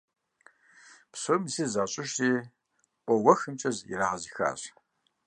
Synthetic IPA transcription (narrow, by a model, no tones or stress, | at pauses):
psomzizaːɕʼɪʃtʼiː | qʷʼɔwɐxɨmt͡ʃʼɐzḭɾaːʁɐzixa̰ːɕʼ